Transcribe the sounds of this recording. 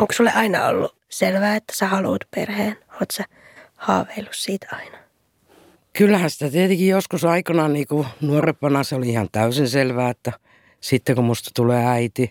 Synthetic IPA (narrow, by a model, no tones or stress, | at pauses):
oŋksulːḛʔɑinɑ̰o̰lːu | selʋæːet̪ːæ̥sæhɑluːt̪pḛrheːnoːt̪sæ | hɑ̰ːʋeilːussiːt̪ʰɑinɑ̥ | kylːæhænsi̥t̪æt̪iet̪ekijoskusɑikɑnɑːniːkunuorepːɑnɑseoliihɑnt̪æysinselʋæːet̪ːæ | sit̪ːekumust̪ɑ̥t̪uleːæit̪i